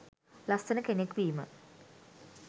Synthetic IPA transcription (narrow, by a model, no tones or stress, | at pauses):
last̪ənəkenekʋiːmə̰